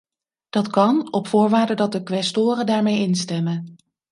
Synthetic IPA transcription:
d̥ɑtkɑnɔpfʊːɹʋaːɹdədɑt̚dəkʋɛstoːrəndaːɹmejɪnstɛmən

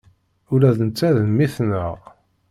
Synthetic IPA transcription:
ʊlæðənt͡sːæðəmːiθnəʁ

